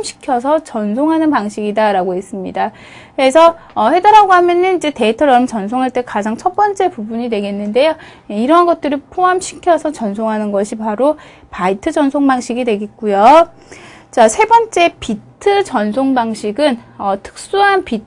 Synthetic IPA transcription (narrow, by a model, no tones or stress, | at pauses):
mɕʰi̥kʰjʌs̬ʰʌt͡ɕʌnsʰoŋɦanɯnpaŋɕʰiɡidaɾaɡoɦe̞s͈ɯmɲḭda | kɯɾe̞sʰʌ | ʌhe̞daɾaɡoɦamjʌnɯnid͡ʑe̞te̞tʰʌɾʌmt͡ɕʌnsʰoŋɦaɭt͈e̞kad͡ʑaŋt͡ɕʰʌt̚p͈ʌnt͡ɕ͈e̞pubuɲidwe̞ɡe̞nːɯnde̞jo | eiɾʌnɡʌt̚t͈ɯɾipʰoɦamɕʰi̥kʰjʌsʰʌt͡ɕʌnsʰoŋɦanɯnɡʌɕʰipaɾo | paitʰɯd͡ʑʌnsʰoŋbaŋɕʰiɡidwe̞ɡe̞t̚k͈ujo | t͡ɕasʰe̞bʌnt͡ɕ͈e̞pitʰɯt͡ɕʌnsʰoŋbaŋɕʰiɡɯnʌtʰɯ̥k̚s͈uɦanpi